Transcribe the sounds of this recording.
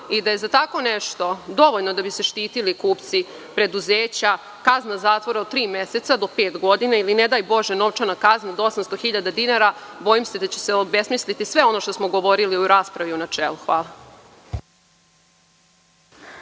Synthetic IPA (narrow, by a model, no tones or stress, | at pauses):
id̪aje̞zat̪ako̞neʃt̪o̞d̪o̞ʋo̞ʎno̞d̪abise̞ʃt̪iːt̪ilikuːpt̪si | pɾe̞d̪uzeːt͡ɕa | kaznazaːt̪ʋo̞ɾaot̪̚t̪ːɾiːmese̞t̪sad̪o̞pe̞ːt̪ɡo̞d̪inailined̪ajbo̞ʒeno̞ʋt͡ʃanakaznad̪oo̞samst̪oxiʎad̪ad̪inaɾabo̞jimse̞d̪at͡ɕeseobe̞smislit̪isʋe̞o̞no̞ʃt̪o̞smoɡo̞ʋo̞ɾiliuɾaːspɾaʋiunat͡ʃeːluxʋaːla